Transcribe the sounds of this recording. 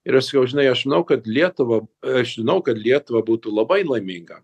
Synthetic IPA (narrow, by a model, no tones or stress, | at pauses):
ɪɾɐʃsɐ̥kɐʊʒʲɪnɐɪɐʃʒʲɪnɐʊkɐt̪lʲiɛt̪ʊʋɐɐʃʒʲɪnɐʊkɐt̪lʲiɛt̪ʊʋɐbuːt̪uːlˠɐbɐɪlˠɐɪmʲɪŋɡɐ